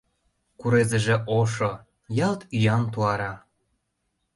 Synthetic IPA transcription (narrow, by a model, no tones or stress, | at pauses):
kuɾezə̆ʒĕʔoʃo | jɑlt̪yjɑnt̪̬uɑɾɑ